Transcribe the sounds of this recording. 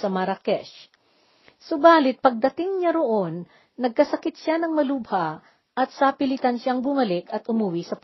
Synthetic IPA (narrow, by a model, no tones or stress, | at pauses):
sɐmɐɾɐkɛʃ | sobaːlɪt̪̚pɐɡ̚d̪ɐt̪ɪŋɲaɾoʔo̞nː | ɐɡ̚kɐsɐkɪt̪ʃanɐŋmɐlubha | ʔɐt̪̚sapɪlɪt̪ɐnʃaŋbʊmɐlɪkɐt̪ʔʊmʊwisɐp